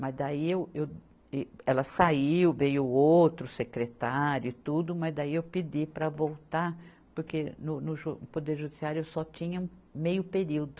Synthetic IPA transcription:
mɐzd̪aiewew | ɛlɐsaiwvejʊowt̪ɾʊsekɾet̪aɾjʊɪt̪ud̪ʊmɐzd̪aiewpid͡ʒipɾɐvowt̪aɾ | poɾkenʊnʊʒupod̪eɾʒud͡ʒisiaɾjʊewsɔt͡ʃĩɲɐũmejʊpeɾiwd̪ʊ

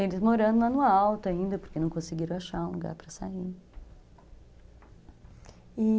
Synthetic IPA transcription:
elɪzmoɾɐ̃nd̪ʊ̃ɐnuawt̪ʊaĩnd̪ɐpoɾkenɐ̃w̃kõsɪɡiɾɐ̃w̃aʃaɾũluɡa̰ɾpɾɐsai | i

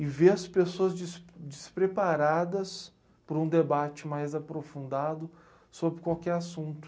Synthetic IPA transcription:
ɪveɐspesoɐzd͡ʒɪsd͡ʒɪspɾepaɾad̪ɐs | pɾũd̪ebat͡ʃɪmajzapɾofũnd̪ad̪ʊ | sobɾɪkwawkɛɾasũt̪ʊ̥

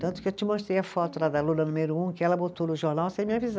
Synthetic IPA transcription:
t̪ɐ̃t̪ʊ̥kɪewt͡ʃɪmoʃt̪ɾejɐfɔt̪ʊlad̪ɐlũnɐnumeɾʊũkɪɛlɐbot̪onʊʒoɾnawsẽj̃mĩɲaviza

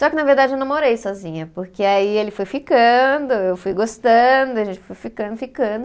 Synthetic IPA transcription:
sɔkɪnɐveɾd̪ad͡ʒɪewnɐ̃w̃moɾejsɔzĩɲɐpoɾkeaielɪfojfikɐ̃d̪ʊewfujɡost̪ɐ̃d̪ʊɐʒẽnt͡ʃɪ̥fojfikɐ̃nd̪ʊfikɐ̃d̪ʊ

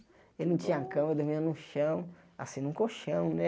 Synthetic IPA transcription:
ewnɐ̃w̃t͡ʃĩɲɐakɐ̃mɾd̪omĩnʊʃɐ̃w̃a̰sĩnũkoʃɐ̃w̃nɛ

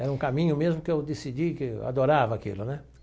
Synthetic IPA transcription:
ɛɾɐũkamĩɲʊmezmʊkɪewd̪esid͡ʒikɪa̰d̪oɾavɐakḭlʊnɛ

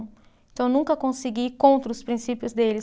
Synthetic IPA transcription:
eẽt̪ɐ̃w̃nũŋkɐkõsɪɡikõnt̪ɾɐʊspɾĩsipjʊzd̪elɪ

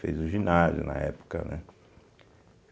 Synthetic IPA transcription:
fejzuʒinazjunɐ̰ɛpu̥kɐnɛ

